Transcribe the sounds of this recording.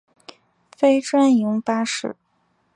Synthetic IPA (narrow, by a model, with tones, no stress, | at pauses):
fe˥ɪʈ͡ʂwa˥njʊ˧˥ŋpa˥ʂɻ̩˥˩